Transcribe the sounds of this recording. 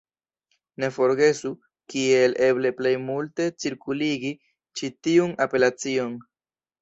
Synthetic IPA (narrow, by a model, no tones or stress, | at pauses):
ne̞fo̞ɾɡe̞su | kie̞lʔe̞ble̞ple̞jmulte̞t͡siɾkuliɡi | t͡ʃitiunape̞lat͡sio̞n